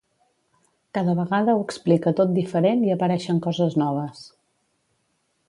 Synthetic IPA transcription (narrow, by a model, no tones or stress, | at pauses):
kaðəβəɣaðəuwəksplikət̪ot̪̚d̪ifəɾeniəpəɾɛʃəŋkɔzəznɔβ̞əs